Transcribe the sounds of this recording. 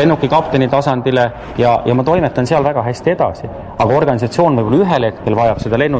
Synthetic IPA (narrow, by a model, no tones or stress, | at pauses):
e̞nːukːˑikɑpt̪enit̪ɑsɑnd̪̥ile | jɑjɑmɑt̪o̞jmet̪ːˑɑnseɑlvæɡ̥ɑɦæsʲt̪ie̞d̪̥ɑ̰si | ɑɡɑo̞rɡ̥ɑnʲis̬ɑt̪sio̞ːnvɤjbolːyɦelhe̞t̪ke̞lvɑjɑb̥se̞d̪ɑle̞nːu